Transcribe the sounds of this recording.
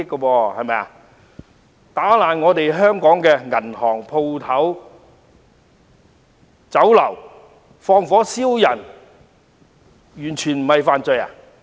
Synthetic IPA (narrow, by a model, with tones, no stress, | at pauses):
ɪ˥kːo˧pɔː˧hɐ˨jmɛ˨ja̰˧ | t̪aː˨˥laː˨˩nŋɔː˨˧t̪e˨jɦœː˥ŋkɔː˨˥ŋkɛː˧ŋɐ˨˩nhɔː˨˩ŋpʰo˧wt̪ʰɐ˨˥w | t͡sɐ˨˥wlɐ˨˩w | fɔː˧ŋfɔː˨˥siː˥wjɐ˨˩n | jyː˨˩nt͡ʃʰyː˨˩nm̩˨˩hɐ˨jfaː˧nt͡sɵ˧ja̰ː˨˩